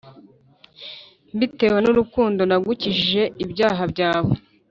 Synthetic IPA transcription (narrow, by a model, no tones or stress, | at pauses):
mbite̞wenuɾukuːndo̞naɡuciʒiʒe̞ibɟaːɦabɟaːβo